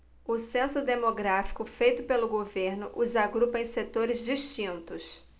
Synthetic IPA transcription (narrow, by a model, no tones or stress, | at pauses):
ʊsẽsʊd̪emoɡɾafi̥kʊfejt̪ʊpelʊɡoveɾnʊʔuzaɡɾupɐẽj̃set̪oɾɪzd͡ʒiʃt͡ʃĩnt̪ʊs